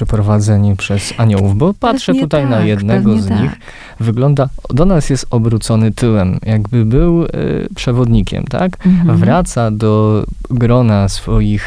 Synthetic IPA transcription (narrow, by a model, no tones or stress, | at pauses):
ɛpɾɔvad̪zɛɲipʂɛzaɲɔwuvbɔpatʂɛtt̪ut̪ajnajɛd̪nɛɡɔzɲɲix | vɘɡlɔnd̪ad̪ɔnasjɛst̪ɔbɾut̪sɔnɘt̪ɘwɛmjaɡbɘbɘw̰pʂɛvɔd̪ɲikʲɛ̰mt̪a̰kvɾat̪sad̪ɔɡɾɔnasfɔjix